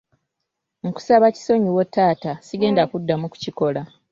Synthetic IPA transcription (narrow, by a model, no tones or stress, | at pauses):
muku̥saβaci̥so̞ɲiwotːaːtasiɡe̞ːndakudːamuku̥ciko̞la